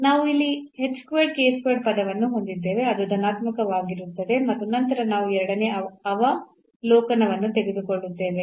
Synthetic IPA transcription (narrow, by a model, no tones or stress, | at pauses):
naːʋuilːiheʈskʋeːɖ̚keːskʋeːɖ̚pɐd̪ɐʋɐnːuɦo̞nd̪id̪ːe̞ːʋe̞ɐd̪ud̪ʱɐnaːt̪mɐkɐʋaːɡiɾut̪ːɐd̪e̞mɐt̪ːunɐnt̪ɐɾɐnaːʋuɛɾɐɽɐne̞ɐɐʋɐ | lɔːkɐnɐʋɐnːut̪e̞ɡed̪uko̞ɭːut̪ːe̞ːʋe̞